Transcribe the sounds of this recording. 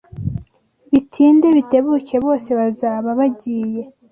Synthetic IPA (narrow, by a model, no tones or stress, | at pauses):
βitʰiːndeβite̞βuce̞βo̞ːse̞βazaːβaβaɟiːje̞